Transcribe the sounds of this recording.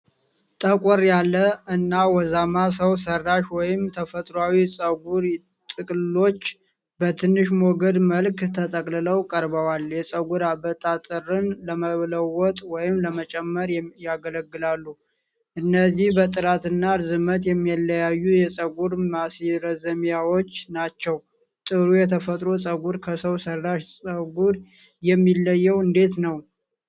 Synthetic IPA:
t̪ʼəkʼɔɾjalːəɨnːawɔzamasəws̬ərːaʃwɔjɪmt̪ʰəfət̪ʼɾoawisʼəɡuɾ | t̪ʼɨkʼlɨlo̞t͡ʃː | bət̪ʰɨnːɨʃmoɡəd̪məlkt̪ʰət̪ʼəkʼlɨləwkʼəɾbəwaljɛsʼəɡuɾabət̪ʼat̪ʼɨrɨnləməβləwɔt̪ʼwɔjɪmləmət͡ʃʼɛmːəɾjaɡələɡːɨlalːu | ʔɨnːəzːihbət̪ʼɨɾat̪ɨnːaɾzɨmət̪jɛmːijalːəjajːujɛt͡sʼəɡuɾmasiɾəzəmjawo̞t͡ʃːnat͡ʃːɛw | t̪ʼɨɾujɛt̪ʰəfət̪ʼɾot͡sʼəɡuɾkʰəsəwsərːaʃsʼəɡuɾ | jɛmːilːəjːɛwɨnd̪e̞t̪nəw

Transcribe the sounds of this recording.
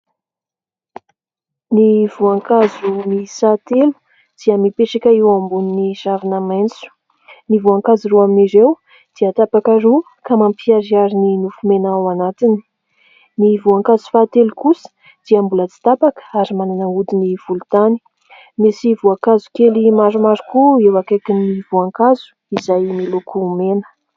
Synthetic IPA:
nivuaŋkazunisat̪elu̥ | d̪̥iəmipeʈ͡ʂakʲaiwambuniniz̥avinamant͡su̥ | nivuaŋkaziɾuaminiɾew | d̪̥iət̪apakaɾu | kamampiaɾiaɾininufumenawanat̪ini̥ | nivuaŋkazu̥fat̪elikusə̥ | d̪̥iambulət͡si̥t̪apakə̥aɾimananaud̪iniv̥ulut̪ani | mesivuakazu̥kelimaɾumaɾukuewakakinːivuaŋkazu̥ | izajmilukʰumenə̥

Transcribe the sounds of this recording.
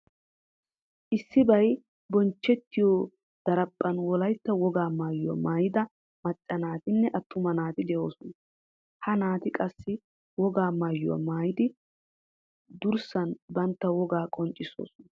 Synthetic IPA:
ʔɪsːɪbɐj | bɔnt͡ʃːɛt̪ːɪjoː | d̪̥ɐɾɐpʼːɐnwɔlɐjt̪ːɐwɔɡaːmaːjʊɔ̰maːjɪd̪ɐ | mɐt͡ʃʼːɐnaːt̪ɪnːɛʔɐt̪ʰːʊmɐnaːt̪ɪd̪ɛʔoːsɔnɐ | hɐnaːt̪ɪkʼɐsːɪ | wɔɡaːmaːjːʊɐ̰maːjɪd̪ɪ | d̪ʊɾsɐnbɐnt̪ːɐwɔɡaːkʼɔnt͡ʃʼːɪso̰ːsɔnɐ

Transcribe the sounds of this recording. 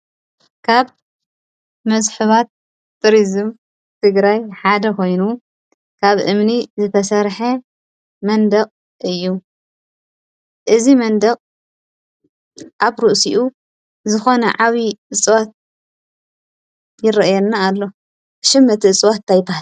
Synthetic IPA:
kʰaβ | mɐzħɨβat̪̚ː | ɨɾizɨm | t̪ʰɨɡɾajħad̪ɐkʰo̞jnu | kʰaβʔɨmnizɨt̪ʰɐsɐɾħɐ | mɐnd̪ɐqʼ | ʔɨjːu | ʔɨzimɐnd̪ɐkʼ | ʔaβɾuʔsiʔu | zɨxo̞nɐʕaβiʔɨt͡sʼwat̪̚ | jɪɾɐʔjɛlnaːlːo̞ | ʃɨmːɐt̪ʰiɨt͡sʼwat̪t̪ʰajpʰa

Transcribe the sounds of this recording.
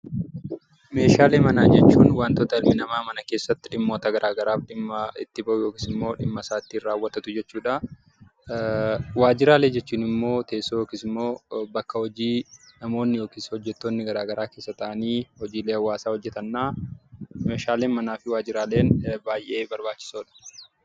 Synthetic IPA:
me̞ːʃaːleːmɐnaːd͡ʒɛt͡ʃːuːnwaːnt̪ɔt̪ɐɪlmɪnɐmaːmɐnɐke̞ːsːɐt̪ːɪᶑɪmːoːt̪ɐɡɐɾʔaːɡɐɾaːfᶑɪmːɐɪ̰t̪ːɪbɐʔʊjo̞ːkiːsɪmːo̞ːᶑɪmːɐsaːt̪iːraːwːɐt̪ɐt̪ʊd͡ʒɛt͡ʃːuːᶑɐ | waːd͡ʒɪɾaːle̞ːd͡ʒɛt͡ʃːuːnɪmːo̞ːt̪eʔsːoːjoːkiːsɪmːo̞ːbɐkːɐhɔd͡ʒiːnɐmo̞ːnːɪjoːkiːshɔd͡ʒːɛt̪ːoːnːɪɡɐɾaːɡɐɾaːke̞ːsːɐt̪ɐʔɐniːhɔd͡ʒiːleːɐwːaːsaːhɔd͡ʒːɛt̪ɐnːaː | me̞ːʃaːle̞ːnmɐnaːfɪwaːd͡ʒɪɾaːle̞ːnbaːjʔe̞ːbɐɾbaːt͡ʃːɪ̥soːᶑɐ̥

